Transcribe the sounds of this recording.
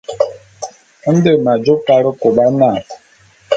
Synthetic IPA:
n̩˦de˨ma˨d͡ʒo˦ka˨ɾə˦ko˨ɓa˦na˦˨

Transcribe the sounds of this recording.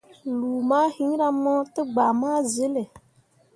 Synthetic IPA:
luː˨maː˦hi˦ɲ˦ɾa˦mɔ˦tɨ˦ɡ͡ba˨maː˦zɨ˦lɨ˨

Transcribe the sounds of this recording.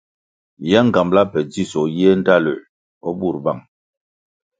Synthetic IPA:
jɛ˦ŋ̩˨ɡa˨mbla˦pɛ˨d͡zi˦˨sɔ˨jɛ˦n̩˦da˦˨lə˨ | ɔ˦bu˦˨ɾba˦˨ŋ

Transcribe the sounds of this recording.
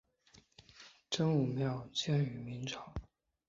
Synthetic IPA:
ʈ͡ʂə˥ŋu˨˩mjɑ˥˧˩ʊt͡ɕjɛ˥ny˨˩mi˧˥nʈ͡ʂʰɑ˨˦ʊ

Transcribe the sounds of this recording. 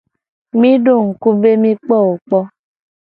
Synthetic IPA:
mĩ˦do˦˨ŋ̩˨ku˦be˦mĩ˦k͡pɔ˦˨o˨k͡pɔ˧

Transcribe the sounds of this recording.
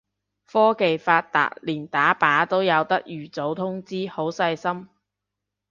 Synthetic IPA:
fɔː˥ke˨jfaː˧t̚t̪a̰ː˨˩t̚liː˨˩nt̪aː˨˥paː˨˥t̪o˥wjɐ˨˧wt̪ɐ˥k̚jyː˨˩t͡so˨˥wt̪ʰʊ˥ŋt͡siː˥ho˨˥wsɐ˧jsɐ˥m

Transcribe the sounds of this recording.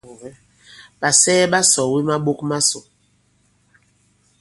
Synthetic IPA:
ɓa˨sɛː˦ɓa˦sɔ˨wi˦ma˦ɓo˦kma˦so˨

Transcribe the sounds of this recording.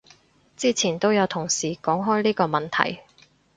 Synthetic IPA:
t͡siː˥t͡sʰiː˨˩nt̪o˥wjɐ˨˧wt̪ʰʊ˨˩ŋsiː˨˩kɔː˨˥ŋɦɔː˥jliː˥kɔː˧mɐ˨nt̪ʰɐ̰˨˩j

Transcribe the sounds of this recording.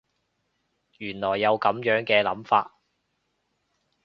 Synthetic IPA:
jyː˨˩nlɔː˨˩jːɐ˨˧wkɐ˨˥mjœː˨˥ŋkɛː˧lɐ̰˨˥mfaː˧t̚

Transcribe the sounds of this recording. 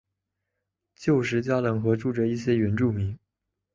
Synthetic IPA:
t͡ɕjo˥˩ʊʂ̬ɻ̩˧˥t͡ɕja˥lɤ˧˥ŋxɤ˧˥ʈ͡ʂu˥˩ʈ͡ʂə˧˩˦i˥˩ɕjɛ˥ɥɛ˧˥nʈ͡ʂu˥˩mi˧˥ŋ

